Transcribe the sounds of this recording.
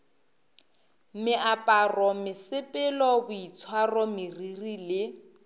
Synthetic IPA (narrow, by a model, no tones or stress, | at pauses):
mɪʔapʼarɔmɪsɪpʼɪlɔbʊit͡sʰwarɔmɪririlɪ